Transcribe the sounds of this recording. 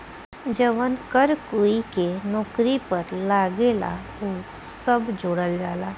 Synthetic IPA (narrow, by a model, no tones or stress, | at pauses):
d͡ʒəʋənkəɾkuikenɔːkɾipəɾlaːɡela̰ | u | səbd͡ʒoːɽəld͡ʒaːlaː